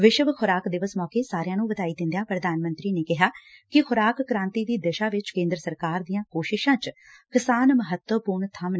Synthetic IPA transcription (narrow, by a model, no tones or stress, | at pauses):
ʋɪʃʋxʰʊɾaːkd̪ɪʋəsmɔːkeːsaːɾɪjãːnũːbəd̪aːiːd̪ɪ̃nd̪ejãːpɾəd̪aːnmə̃nt̪ɾiːneːkɪɦaːkɪxʰʊɾaːkːɾãːnt̪iːd̪iːd̪ɪʃaːʋɪt͡ʃkẽːnd̪ɾəsəɾkaːɾd̪ijãːkoːʃɪʃãːt͡ʃ | kɪsaːnməɦət̪wəpuːɾɳt̪ʰəm